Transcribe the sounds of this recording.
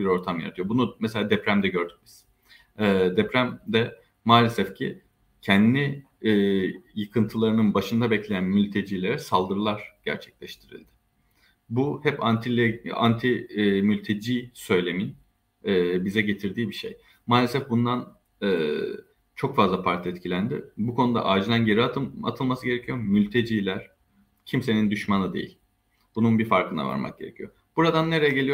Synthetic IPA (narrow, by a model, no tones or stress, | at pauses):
biɾo̞ɾt̪ʰamja̰ɾat̪ʰɯjo̞bunumɛselʲaːd̪ɛpɾæmd̪ɛɟø̞ɾd̪ybiz̥ | ɛːd̪ɛpɾæmd̪ɛ | maːlʲesɛfcʰi | cʰɛnd̪i | ɛːjɯkʰɯnt̪ʰɯlˠaɾɯnɯnbaʃɯnd̪abɛclʲe̞jænmylʲt̪ʰe̞d͡ʒiːlʲe̞ɾɛsalˠd̪ɯɾɯlˠaɾ̥ɟ̥æ̰ɾt͡ʃʰɛ̥clʲɛʃt̪ʰiɾḭlʲd̪ɪ̥ | buhɛpant̪ʰia̰nt̪ʰimylʲt̪ʰe̞d͡ʒiːsø̞jlʲe̞min | ɛːbizɛɟe̞t̪ʰiɾd̪iːbiʃej | maːlʲe̞sɛfbund̪an | ɛː | t͡ʃʰo̞kfazlˠapʰaɾt̪ʰɛt̪cʰilʲænd̪ɪ̰bukʰo̞nud̪a̰ʔaːd͡ʒid̪ænɟe̞ɾiaa̰t̪ʰɯlˠmasɯɟeɾecʰijo̞mylʲt̪ʰe̞d͡ʒiːlʲæɾ̥ | cʰimse̞nind̪yʃmanɯd̪ḛjḭlʲ | b̥ununbifaɾkɯna̰va̰ɾma̰k̚ɟ̥ʲe̞ɾḛcʰijo̰ | b̥uɾad̪anːe̞ɾejɛɟe̞lʲijo